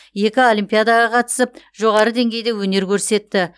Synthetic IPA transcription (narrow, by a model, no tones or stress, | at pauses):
je̞kʲɪo̞lʲˠijmpʲijad̪ɑʁɑqʰɑt̪ə̥səp̚ | ʒo̞ʁɑɾəd̪e̞ŋɡʲe̞jd̪e̞wɵne̞ɾkʲʰɵɾse̞t̪ːɪ